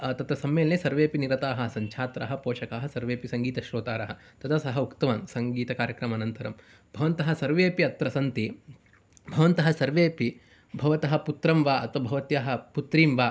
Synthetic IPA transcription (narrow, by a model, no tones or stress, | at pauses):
t̪ɐt̪ɐsɐmːeːlneːsɐɾʋeːpiniɾɐt̪aːɦɐ̆sɐɲt͡ʃʰaːt̪ɾa̰ːɦɐpoːʃɐkaːɦɐsɐɾʋeːpisɐŋɡiːt̪ɐʃɾoːt̪aːɾɐɦɐ̆t̪ɐt̪ʰɐsɐɦɐukt̪ɐʋaːnsɐŋɡiːt̪ɐkaːɾjɐkɾɐmɐnɐnt̪ɐɾɐm | bʱɐʋɐnt̪ɐɦɐ̆sɐɾʋeːpiɐt̪ɾɐsɐnt̪i | bʱɐʋɐnt̪ɐɦɐsɐɾʋeːpi | bʱɐʋɐt̪ɐɦɐ̆put̪ɾɐmʋaːɐt̪ʋɐbʱɐʋɐt̪jaːɦɐ̆put̪ɾiːmʋaː